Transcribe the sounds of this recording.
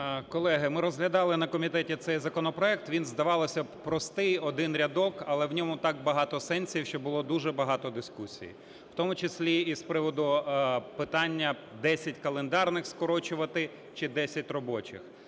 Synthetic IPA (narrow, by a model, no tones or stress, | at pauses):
kɔlˠɛɦɪmɪɾɔzɦlʲɐd̪ɑlˠɪnɐkɔmʲit̪ɛtʲit̪sɛjzɐkɔnɔpɾɔɛk̚t̪ʋʲinzd̪ɐʋɑlˠɔsʲɐpɾɔst̪ɪjɔd̪ɪnɾʲɐd̪ɔkɐlˠɛwnʲɔmʊt̪ɑk̚bɐɦɑt̪ɔsɛnʲsʲiwʃt͡ʃɔbʊlˠɔd̪uʒɛbɐɦɑt̪ɔd̪ɪskusʲḭjḭ | wt̪ɔmʊt͡ʃɪsʲlʲiispɾɪʋɔd̪ʊpɪt̪ɑnʲːɐ | d̪ɛsʲɐtʲkɐlˠend̪ɑrnɪxskɔɾɔt͡ʃʊʋɐt̪ɪ | t͡ʃɪd̪ɛsʲɐtʲrɔbɔt͡ʃɪ̰x